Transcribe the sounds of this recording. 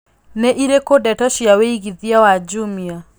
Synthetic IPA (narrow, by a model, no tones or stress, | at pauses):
neʔiɾekodɛtɔʃijaweiɣiðiawad͡ʒumia